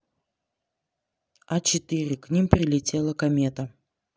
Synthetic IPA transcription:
at͡ɕɪt̪ɨɾʲɪknʲimpɾʲɪlʲɪtʲe̞lˠəkɐmʲet̪ə

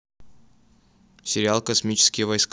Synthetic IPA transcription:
sʲɪɾʲɪalˠkɐsmʲit͡ɕɪ̥skʲɪjvɐjsk

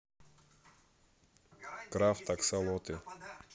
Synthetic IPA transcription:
kɾaft̪aksalˠɔt̪ɪ

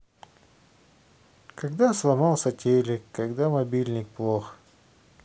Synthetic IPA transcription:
kaɡd̪aslˠɐmɑlˠsɐtʲelʲɪkːaɡd̪amɐbʲilʲnʲɪk̚plˠox

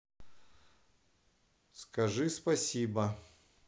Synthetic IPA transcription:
skɐʐɨspɐsʲibɐ

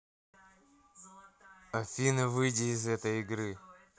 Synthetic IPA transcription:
ɐfʲinɐvɨjdʲɪːzɛt̪əjɪɡɾɨ

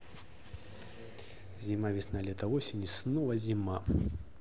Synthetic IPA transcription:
zʲimavʲisnalʲɛt̪ɐvɔsʲenʲisnɔvˠɐzʲima

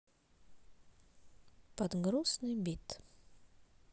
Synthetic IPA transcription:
pɐd̪ɡɾusnɨjbʲit̪

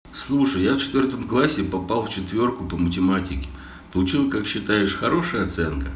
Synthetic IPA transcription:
slˠuʂəjːaft͡ɕɪt̪vʲort̪əmklˠasʲːɪpɐpɑlˠft͡ɕɪt̪vʲo̞rkʊpəmətʲɪmatʲɪkʲɪ̥ | pəlˠʊt͡ɕilˠkakɕːɪt̪ajɪʂxɐɾo̞ʂɨjəɐt̪sɛnkə

